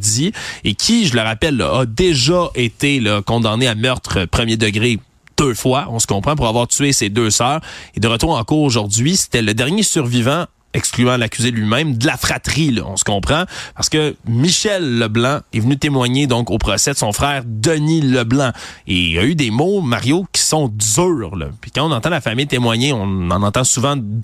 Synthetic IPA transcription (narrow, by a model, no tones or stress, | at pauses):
d͡ziekʲʰiʒələʁapɛl̰ːd̪eʒaʔet̪elʌkɔ̃d̪ɑ̃neamœʁt̪ʁəpχəmjed̪əɡʁe | d̪̥øfwaɔ̃sə̥kɔ̃pχɑ̃p̬uʁavwaːʁtt͡syesed̪øsœːʁed̪əʁət̪uːʁɑ̃kuːʁoʒuʁd̪d͡z̪ɥise̥t̪ɛləd̪ɛʁnjesyʁvivã | ɛksklyãlakʲyzelɥimɛ̃md̪əlafχat̪ʁilʌ̰ɔ̰̃sə̥kɔ̃pχɑ̃paʁsə̥kəmiʃɛlːəblɑ̃ɛvənyt̪emwaɲed̪ɔ̃kopχɔsɛd̪əsɔ̃fʁɛːʁd̪əniləblɑ̃eja̰yd̪emomaʁjokʲi̥sɔ̃d͡zyːʁlʌ̰pi̥kaɑ̃ɔ̃nɑ̃t̪ɑ̃lafamɪjt̪emwaɲeɔ̃nɑ̃nɑ̃t̪ɑ̃suvɑ̃